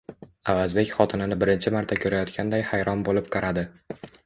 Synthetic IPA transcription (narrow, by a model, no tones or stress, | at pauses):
avazbe̞kʲχɒt̪ʰɪnɪnɪbɪɾɪnt͡ʃʰɪmaɾt̪ʰakʲʰɵɾajɒt̪kʲʰand̪ajhajɾɒnbolɪp̚qʰɑɾad̪ɪ